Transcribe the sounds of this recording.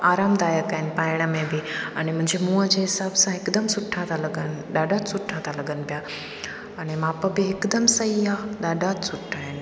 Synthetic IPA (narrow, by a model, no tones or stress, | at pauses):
aːɾaːmd̪aːjəkaːɦɪnɪ̆paːɪɽ̃əmẽbɪɐñemʊ̃ɦɪ̃ɲd͡ʑemũːəd͡ʑeɦɪsaːbsãɪkd̪əmsʊʈʰãt̪ʰãlɐɡənɗ̪aːɖaːt̪sʊʈʰːãt̪ʰalɐɡənɪ̆pijaː | ɐñemãːpəbɪɪkd̪əmsɐɦiaːɗ̪aːɖat̪sʊʈʰːaːɦɪnɪ̆